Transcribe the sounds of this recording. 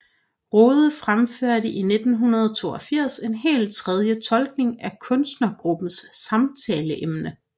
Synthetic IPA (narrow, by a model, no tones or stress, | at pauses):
ʁɔːð̞ˠfʁamføɐ̰ɾəʔine̝d̥n̩ɦunɐð̞ˠt͡sʰo̝̰ːɐfiɐ̰se̝nɦe̝̰ːlt͡sʰʁɛð̞ˠjət͡sʰɒ̽lɡ̥ne̝ŋækʰɔ̽nsd̥nɐɡ̥ʁub̥n̩sːɑ̈mt͡sʰɛːləʔemnə